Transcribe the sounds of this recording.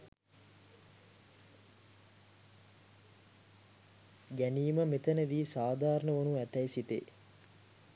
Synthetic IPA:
ɡæniːməmet̪ənəʋiːsaːd̪ʱaːɾəɳəʋonuæt̪ɛjsit̪ḛ

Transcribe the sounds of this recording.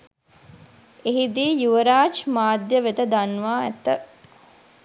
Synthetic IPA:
eɦid̪iːjuʋəɾaːt͡ʃmaːd̪jəʋet̪əd̪anʋaːæ̰t̪ːə

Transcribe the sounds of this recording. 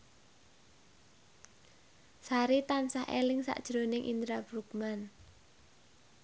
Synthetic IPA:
saɾit̪ansahḛlɪŋsa̰ʔd̥ʒ̥ɾonɪŋʔind̪ɾabɾukman

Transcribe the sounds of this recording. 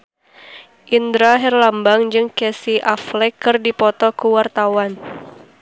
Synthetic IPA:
ʔindɾaɦɛrlambaŋd͡ʒɨŋkɛsiʔaflɛkːɨrdipɔt̪ɔkuwart̪awan

